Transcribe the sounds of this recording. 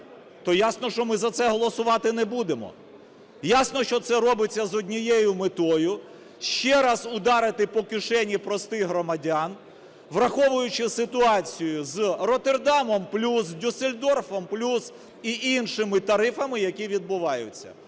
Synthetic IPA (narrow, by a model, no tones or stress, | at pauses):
t̪ɔjasnɔʃt͡ʃɔmɪzɐt̪sɛɦɔlˠɔsʊʋɑt̪ɪnɛbud̪emɔ̰ | jasnɔʃt͡ʃɔt̪sɛɾɔbɪt͡sʲːɐzɔdʲnʲijɛjʊmɪt̪ɔjʊ | ʃt͡ʃɛɾɑzʊd̪ɑɾɪt̪ɪpɔkɪʃɛnʲipɾɔst̪ɪjɦɾɔmɐdʲɑn | ʋrɐxɔʋʊjʊt͡ʃɪsɪt̪ʊɑt͡sʲijʊzrɔt̪erd̪ɑmɔmplʲusdʲuselʲd̪ɔrfɔmplʲus | iʔinʃɪmɪt̪ɐɾɪfɐmɪjɐkʲiʋʲid̪̚bʊʋɑjʊ̰t͡sʲːɐ̰